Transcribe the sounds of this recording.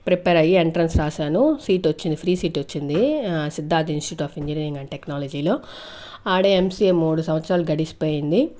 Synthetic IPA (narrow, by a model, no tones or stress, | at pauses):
pɾipeːɾɐjieɳʈɾɐnsɾaːʃaːnusiːʈʋot͡ʃːind̪ipʰɾiːsiːʈot͡ʃːind̪isid̪ʱːaːd̪iinsʈi̥juːʈaːpiɲd͡ʒiniːɾĩŋɡɐɳʈeknaːlɐd͡ʒiːlo̞ː | aːɽeemsiemuːɽusɐmʋɐt̪sɾaːluɡɐɽisi̥poːjind̪i